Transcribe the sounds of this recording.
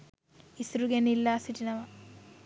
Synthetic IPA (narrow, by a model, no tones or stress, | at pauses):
isɾuɡenilːasiʈinɐʋɐ